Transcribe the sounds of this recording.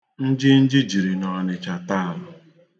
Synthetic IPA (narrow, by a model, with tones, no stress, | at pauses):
n̩˦d͡ʒɪ˦n̩˦d͡ʒɪ˦d͡ʒi˨ɾi˨nɔ˨nɪ˨t͡ʃa˨ta˦a˨lʊ˨